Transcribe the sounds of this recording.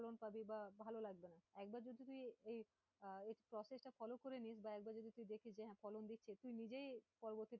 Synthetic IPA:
ɔlonpabibabʱalolaɡ̚benaɛk̚baɾd͡ʑod̪it̪uiej | eʈipɾɔsesʈafɔlokoɾenisbaɛk̚baɾd͡ʑod̪it̪uĩd̪ekʰiʃd͡ʑeɦɛ̃fɔlond̪itːɕʰet̪ujnid͡ʑejpɔɾoboɾt̪ːi

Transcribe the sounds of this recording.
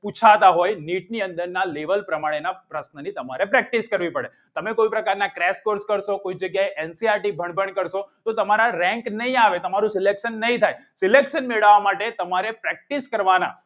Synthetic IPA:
put͡ʃʰat̪aɦojniʈ̚niənd̪əɾnaleʋəlpɾəmaɽ̃enapɾəsnənit̪əmaɾepɾɛk̚ʈiskəɾʋipəɽe | t̪əmekoipɾəkaɾnakɾɛskoɾskəɾʃokoid͡ʒəɡjaeʔɛnsiaɾʈibʱəɳbʱəɳkəɾʃot̪ot̪əmaɾaɾɛ̃ŋknəɦĩaʋet̪əmaɾũsɪlekʃənːəɦĩt̪ʰajsɪlekʃənmeɭaʋamaʈet̪əmaɾepɾɛk̚ʈiskəɾʋana̰

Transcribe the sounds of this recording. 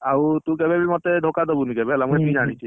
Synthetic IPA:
autʊkɛbʱɛbʱɛlmɔtɛdʱɔkadɔbunikɛbʱɛlamukɛpizañisi

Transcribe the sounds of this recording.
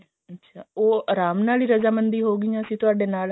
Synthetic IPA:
ətːʃʰaːoːɾaːmnaːliːɾəzaːmə̃nd̪iːɦoːɡɪiãəsĩt̪ʊaːɖenaːl

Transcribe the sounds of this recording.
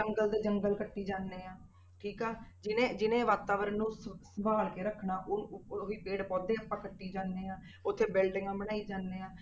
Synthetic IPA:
əŋɡəld̪eːd͡ʒəŋɡəlkəʈːiːd͡ʒaːnːeːãː | ʈʰiːkɛːd͡ʒɪnẽːd͡ʒɪnẽːʋaːt̪aːʋəɾənːũːssəbaːlkeːɾəkʰːɳaːʔoiːpeːɽpɔːd̪eːəpãːkəʈːiːd͡ʒaːnːeːãː | ʊt̪ʰːeːbɪlɖɪŋɡãːbəɽaːiːd͡ʒaːnːeːãː

